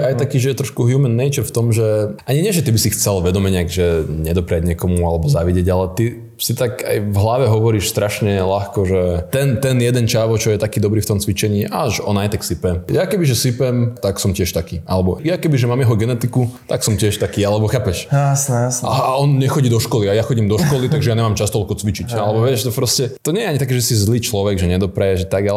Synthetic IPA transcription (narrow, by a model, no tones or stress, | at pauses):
ajt̪akiːʒɛjɛt̪ɾɔʃkuɦjuːmɛnːɛjt͡ʃɛɾft̪ɔmʒɛaɲiɲɪɛʒɛt̪ibisixt͡sɛlʋɛd̪ɔmɛɲɪaɡʒɛɲɛd̪ɔpɾɪaɟɲɪɛkɔmualɛbɔzaʋiɟɛɟalɛt̪i | sit̪aka̰jvɦlaʋɛɦɔʋɔɾiːʃst̪ɾaʃɲɛlaxkɔʒɛt̪ɛnt̪ɛnjɛd̪ɛnt͡ʃaʋɔt͡ʃɔjɛt̪akiːd̪ɔbɾiːft̪ɔmt͡sʋit͡ʃɛɲiːʔa̰ʒɔ̰najt̪aksipɛmjakɛbiʒɛsipɛmt̪aksɔmcɪɛʃt̪akiːʔalɛbɔjakɛbiʒɛmaːmjɛɦɔɡɛnɛt̪ikut̪aksɔmcɪɛʃt̪akiːalɛbɔxaːpɛʃjsnɛjasaɔnɲɛxɔɟiːd̪ɔʃkɔliajaxɔɟiːmd̪ɔʃkɔlit̪aɡʒɛjaɲɛmaːmt͡ʃast̪ɔʎkɔt͡sʋit͡ʃicalɛbɔʋɪɛʃt̪ɔpɾɔscɛt̪ɔɲɛjɛaɲit̪ak̬iːʒɛsizliːt͡ʃlɔʋɛɡʒɛɲɛd̪ɔpɾɛjɛʒɛt̪aɡalɛ